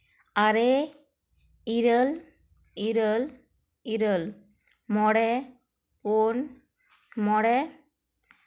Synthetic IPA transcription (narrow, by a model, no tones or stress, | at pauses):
aɾe | iɾəl | iɾəl | iɾəl | mɔɽɛ | pon | mɔɽɛ